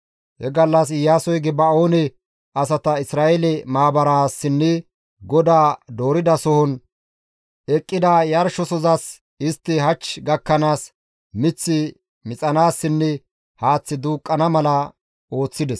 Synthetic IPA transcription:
hɛɡɐlːɐsɪjaːsɔjɡɪbɐoːnɛ | ɐs̬ɐt̪ɐɪsɾaːɛlɛmaːbɐɾaːsːɪnːɛ | ɡɔd̪aːd̪o̞ːɾɪd̪ɐsɔhɔn | ɛkʼːɪd̪ajɐɾʃɔsɔzɐs | ɪst̪ːɪɦɐt͡ʃːɡɐkːɐnaːs | mɪt͡sːɪ | mɪt͡sʼɐnaːsːɪnːɛ | haːt͡sːɪd̪uːkʼːɐnɐmɐlɐ | o̞ːt͡sːɪd̪ɛs

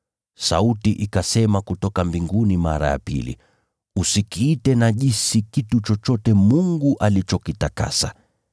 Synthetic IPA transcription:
sa̰utiʔikasɛmakutɔkambiŋɡunima̰ɾa̰ja̰pḭlḭ | usikiːtɛnaʄisikitut͡ʃɔt͡ʃɔtɛmuŋɡuʔalit͡ʃɔkitaka̰sa̰

